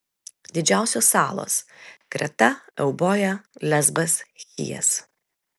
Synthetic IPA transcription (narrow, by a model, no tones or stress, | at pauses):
d̪ʲɪd͡ʒʲæˑʊsʲoːsːɑːlˠo̰ːskɾʲɛ̰t̪ɐɛʊboːjɛlʲɛzbɐsxʲḭjɛ̰s